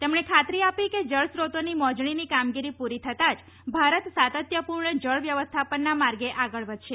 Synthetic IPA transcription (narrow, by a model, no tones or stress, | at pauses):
t̪emɳekʰat̪ɾiapiked͡ʒəɭsɾot̪onimɔd͡ʒɳinikamɡiɾipuɾit̪ʰət̪ad͡ʒ | bʱaɾət̪sat̪ət̪jəpuɾɳəd͡ʒəɭʋjəʋəst̪ʰapənːamaɾɡeʔaɡəɭʋəd͡ʒ̪ʃe